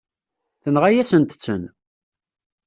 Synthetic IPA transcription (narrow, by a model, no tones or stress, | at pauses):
θənʁajæsənt̪ə̥t͡sːə̰n